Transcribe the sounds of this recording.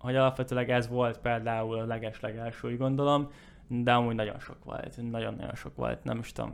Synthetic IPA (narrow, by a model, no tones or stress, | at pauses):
ho̞ɟɒlɒpʋɛt̪øːlɛɡɛzʋo̞lt̪peːld̪aːulɒlɛɡɛʃlɛɡɛlʃøːɟɡo̞nd̪o̞lo̞m | d̪ɛɒmuːɟnɒɟo̞̰nʃo̞̰kʋo̰lt̪nɒɟonːɒ̰ɟo̞̰nʃo̞̰kʋo̰lt̪nɛ̰miʃt̪o̰m